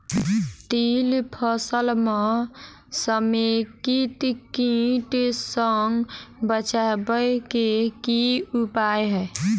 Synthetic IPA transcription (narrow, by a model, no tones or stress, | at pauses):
t̪ilpʰəsəlme | səmekit̪kĩʈsəŋɡbət͡ʃabəjkekiupajɦɛ